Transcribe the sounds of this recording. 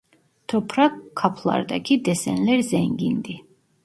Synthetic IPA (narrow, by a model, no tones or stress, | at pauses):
t̪ʰɔpʰɾakʰːapʰlˠa̰ɾd̪akʰid̪ɛsɛ̰nlɛɾzɛŋɡind̪i